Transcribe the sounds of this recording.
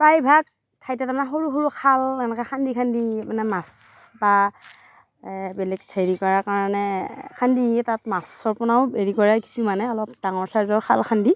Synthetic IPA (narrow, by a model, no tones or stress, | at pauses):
pajbʱak̚ | tʰajtɛtamanɛɦoɹuxoɹukʰalɛnɛkɛxʰandikʰandimanɛmasba | bɛlɛɡtʰejɹikɔɹakaɹanɛkʰanditatmasɔɹpʊnaʊbeɹikɔɹaki̥sumanɛɔlɔp̚d̥aŋɔɹsaɹzɔɹkʰalkʰandi